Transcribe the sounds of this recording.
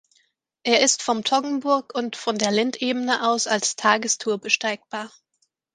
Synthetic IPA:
ʔeːɐɪstfɔmtʰɔɡŋ̩bʊɐkʊntfɔndeːɐlɪntʔeːbənəʔaʊsalstʰaːɡəstʰuːɐbəʃtaɪk̚b̥aːɐ

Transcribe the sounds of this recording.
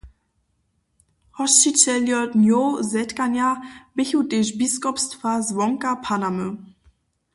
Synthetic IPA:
hɔʃt͡ʃit͡ɕɛljɔtnjozɛtkanjab̥ɪçuteʃbiskɔpstfazvɔŋkapʰanamə

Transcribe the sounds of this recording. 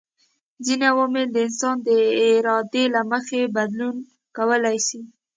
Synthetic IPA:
zinawomɪld̪əɪnsɑnd̪əɪɾɑd̪elaməxebad̪lun | kawəlajʃi

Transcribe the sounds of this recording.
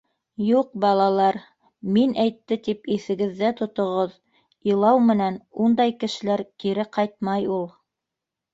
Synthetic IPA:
juq̚bɑlˠɑlˠɑɾ | minʔæjt̪ːɘt̪ipiθɘ̆ɡɘ̆ðːæt̪ŏt̪ŏʁoð | ilˠɑwmɘ̆nænund̪ɑjkɘ̆ʃɘ̆læɾkiɾɘqɑjt̪̚mɑjulˠ

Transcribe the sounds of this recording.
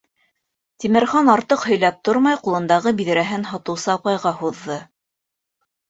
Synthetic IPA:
t̪ʲimɘ̆ɾχonɑɾt̪ɤqhɵ̆jlæp̚t̪oɾmɑjqulˠɤ̆nd̪ɑʁɤbiðɘ̆ɾæɦɘnɦɑt̪ɤ̆wsɤːpɑjʁɑhuðːɤ

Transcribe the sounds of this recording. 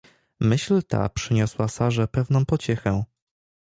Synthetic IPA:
mɘɕlt̪a̰pʂɘɲɔswasaʐɛpɛvn̪ɔ̃w̃pɔt͡ɕɛxɛ̃

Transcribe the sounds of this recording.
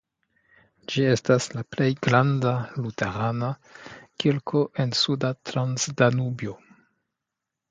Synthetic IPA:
d͡ʒie̞staslaple̞jɡɾandalutḛɾanakilkʰo̞ʔe̞nsudatɾansdanubjo

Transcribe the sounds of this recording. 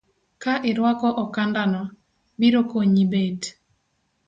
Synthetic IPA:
kaʔɪɾwakɔʔɔkandanɔ | biɾokoɲibed

